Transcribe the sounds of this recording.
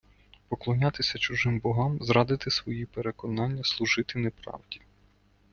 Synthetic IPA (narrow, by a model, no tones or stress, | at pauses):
pɔklˠɔnʲɑt̪ɪsʲɐt͡ʃʊʒɪmbɔɦɑmzɾɑd̪ɪt̪ɪsʋɔjipeɾekɔnɑnʲːɐslˠuʒɪt̪ɪnepɾɑ̰wdʲi